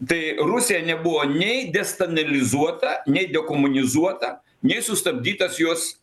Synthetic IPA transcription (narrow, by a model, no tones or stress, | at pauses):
t̪ɐɪrʊsʲɪjɛnʲɛbʊʋoːnʲɛɪd̪ʲɛst̪ɐnɐlʲɪzuɔt̪ɐnʲɛɪd̪ʲɛkoːmʊnʲɪzuɔt̪ɐ | nʲɛɪsʊst̪ɐbʲd̪ʲiːt̪ɐsjoːs